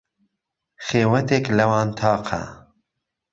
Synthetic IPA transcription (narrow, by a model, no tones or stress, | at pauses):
xeːwɐt̪eklɐwɑːnt̪ʰɑːqʰa̰